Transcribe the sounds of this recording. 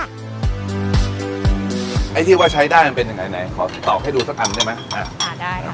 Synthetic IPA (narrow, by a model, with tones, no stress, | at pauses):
ʔa˧˥˩jt͡ɕʰɯː˥˩waː˥˩t͡ɕʰa˦˥jdaː˥˩jma˧npe˧nja˧ŋa˧jŋa˨˦˩jkʰɔː˩˦t̪ɔ̰ː˨˩p̚ha˥˩jduː˧sa˦˥kʔa˧nda˥˩jma˦˥jʔaː˨˩˧